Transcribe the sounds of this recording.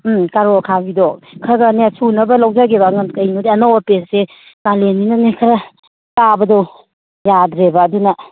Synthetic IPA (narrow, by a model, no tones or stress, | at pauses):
kaɾokʰabidɔkʰaɡanasʰunɐbɐlawd͡ʒaɡebaŋɐnkɐjnodiɐnowɐpese | kalenːinɐnekʰɐɾa | kabɐdow | jadɾebaːdunɐ